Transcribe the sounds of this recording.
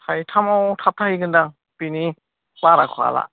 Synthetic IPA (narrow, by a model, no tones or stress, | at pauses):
tʰajtʰamawtʰap̚tʰahiɡɯnda | pini | baɾakʰa̰la̰